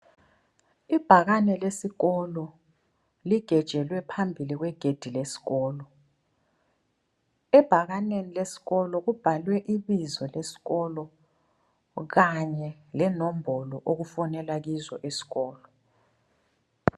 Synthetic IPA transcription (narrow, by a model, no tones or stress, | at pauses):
ib̥ʱaɣ̬anɛlesiɣɔlɔ | liɡ̥ʱɛd̥ʒ̥ʱɛlwɛpʰambʱilik̬wɛɡ̥ʱed̥ʱilesi̥ɣɔːlɔ | ɛb̥ʱaɣ̬anenilesi̥ɣɔlɔk̬ub̥ʱalwɛʔiɓizɔlesi̥ɣɔlɔ | ɣ̬aɲɛ | lɛnom̩bʱɔlɔʔok̬ufɔnɛlak̬izɔʔesi̥ɣɔːlɔ